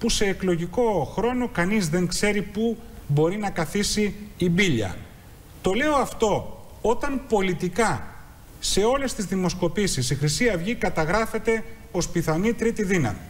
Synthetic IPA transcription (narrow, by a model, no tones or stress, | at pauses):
puse̞ːklo̞ʝiko̞xɾo̞no̞kɐnizðe̞ŋkse̞ɾipubo̞ɾinɐkɐθisiːbiʎɐ̰ | t̪o̞le̞o̞ɐft̪o̞ | o̞t̪ɐmpo̞lit̪ikɐ | se̞o̞le̞st̪izðimo̞sko̞pisisixɾisiɐvʝikɐt̪ɐɣɾɐfe̞t̪e̞ | o̞spiθɐnit̪ɾit̪iðinɐ̰mi